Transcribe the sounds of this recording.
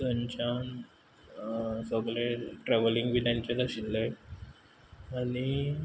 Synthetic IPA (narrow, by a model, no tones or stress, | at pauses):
əɲt͡ɕan | səɡɭeʈɾɛʋəliŋɡʋilãɲt͡ɕalaɕilːəe | ani